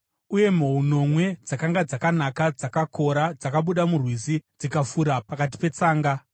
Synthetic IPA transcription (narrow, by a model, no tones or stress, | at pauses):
uje̞m̤ouno̞mwe̞d͡zakaŋɡad͡zakanakad͡zakakʰo̞ɾad͡zakaɓuɗamurwizid͡zikafuɾapakat̬i̥pe̞t͡saːŋɡa